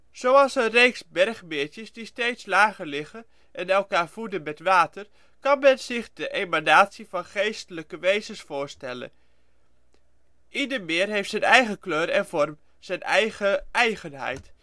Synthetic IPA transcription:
z̥owɑlˠsənrejksbɛrχmɪɹtəsdisteːtslaːɣəɹlɪɣə | ʔɛnɛlˠkaːɹvudənmɛtʋaːtər | kɑnmɛnz̥ɪχdəʔemanaːtsifɑnχejstələkəʋejzənsfʊːɹstɛlə̰n | ʔidəɹmɪːrɦejftsɛnɛjχəkløːɾɛnvɔrm | z̥ɛnɛjɣəɛjɣənɦɛ̰jt

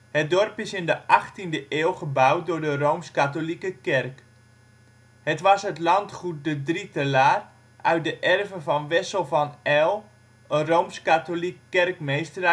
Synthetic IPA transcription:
hət̚dɔrpɪsɪndəʔɑχtindəʔeːlˠχəbawt̚doɹdərowmskatolikəkɛrk | hətʋɑsɦətlɑntχut̚dədritəlaːr | ʔœɥt̚dəʔɛrvəvɔnʋɛsəlˠvɑnɛlˠ | ərowmskatolikːɛrkmejstər

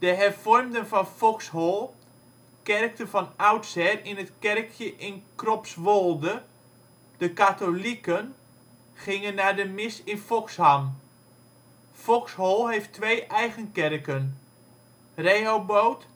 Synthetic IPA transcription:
d̥əɦɛrv̥ɔrmdənvɑnfɔkshɔlˠ | kɛrk̚tənvɑnawtsɛrɪnətkɛrkʰjəʔɪnkrɔpsʋolˠdə | d̥əkatolikən | χɪŋənːadəmɪsɪnfɔksham | fɔkshɔlˠɦejftʋejʔɛjχənkɛrkən | rejɦowbowt

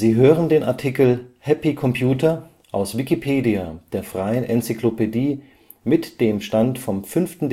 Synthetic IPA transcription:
ziːɦøːʁəndeːnʔa̰ɐtʰikl̩hɛpikʰɔmpʰjuːtɐ | ʔaʊsv̥ikipʰeːdiad̥eːɐfʁ̥aɪənʔɛnt͡siklopediː | mɪtd̥eːmʃtantfɔmfʏnftn̩d

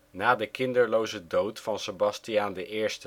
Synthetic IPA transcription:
naːdəkɪndəɹlowzədowtfɑnsəbɑstijaːndəʔɪːɹstə

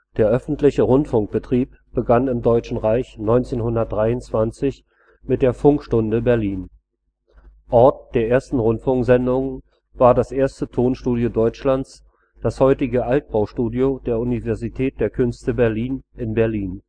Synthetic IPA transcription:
d̥eːɐʔœfn̩tlɪçəʁʊntfʊŋk̚b̥ətʁ̥iːp̚ | b̥əɡanɪmdɔʏt͡ʃn̩ʁaɪçnɔʏnt͡seːnhʊndɐt̚d̥ʁaɪʊnt͡sv̥ant͡sɪç | mɪt̚d̥eːɐfʊŋkʃtʊndəbɛɐliːn | ʔɔɐt̚d̥eːɐʔeːɐstn̩ʁʊntfʊŋkz̥ɛndʊŋ | vaːɐdasʔeːɐstətʰoːnʃtuːdjodɔʏt͡ʃlant͡s | d̥ashɔʏtɪɡəʔalt̚b̥aʊʃtuːdjod̥eːɐʔunivɛɐzitʰɛːt̚d̥eːɐkʰʏnstəbɛɐliːnɪnbɛɐliːn

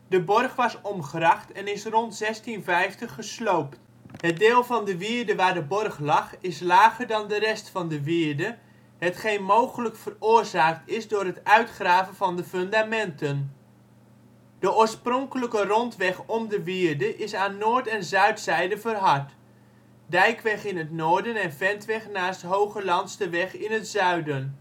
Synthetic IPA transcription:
dəbɔrχʋɑsɔmχərɑχtɛnɪsrɔntsɛstinvɛjftəχːəslowpt | hət̚deːlˠvɑndəʋiəɹdəʋaːɹdəbɔrχlɑχɪslaːɣərdɑndərɛstfɑndəʋɪəɹdə | ɦətχejnmowχələkfərʊːrzaːk̚tɪsdʊːɾətœɥtχraːvənvɑndəfɵndamɛntən | d̥əʊːɹsprɔŋkələkərɔntʋɛχɔmdəʋɪːrdəʔɪsaːnːoːɹtɛnzœɥtsɛjdəvərɦɑɹt | dɛjkʋɛχɪnətnoːɹdənɛnvɛntʋɛχnaːstɦowχəlɑntstəʋɛχɪnətzœɥdən

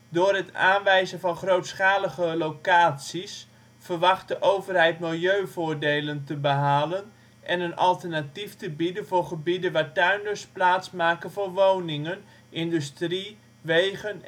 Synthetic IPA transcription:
dʊːrɦəta̰ːnʋɛjzənvɑnχrowtsχaːləɣəlowkaːtsis | fərʋɑχt̚dəʔowvərɦɛjtmɪlˠjøɥvʊːɹdejləntəbəɦaːlən | ʔɛnənɑlˠtərnatiftəbidənvʊːɹχəbidəʋaːɹtœɥndəsplaːtsmaːkənvoːrʋownɪŋən | ʔɪndystri | ʋejɣən

